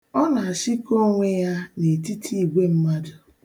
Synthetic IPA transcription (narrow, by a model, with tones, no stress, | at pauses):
ɔ˦na˨a˨si˦ko˦ŋʷe˦ja˦ne˨ti˦tʰi˦i˨ɡʷe˦m̩˦ma˦dʊ˨